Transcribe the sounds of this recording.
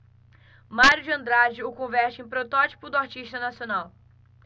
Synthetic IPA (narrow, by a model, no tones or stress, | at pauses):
maɾjʊd͡ʒɪɐ̃nd̪ɾad͡ʒɪʊkõvɛɾt͡ʃɪẽj̃pɾot̪ɔt͡ʃi̥pʊd̪ʊaɾt͡ʃiʃt̪ɐnasionaw